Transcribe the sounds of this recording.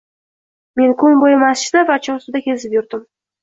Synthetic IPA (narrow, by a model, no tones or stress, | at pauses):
me̞nkʰʊnbojɪmasʃɪd̪avat͡ʃʰɒsɪd̪akʲʰezɪpjʊɾd̪ɪm